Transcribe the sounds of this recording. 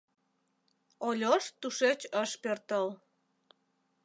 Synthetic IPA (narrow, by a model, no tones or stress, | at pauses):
olʲoʃt̪uʃet͡ɕəʃpørt̪əl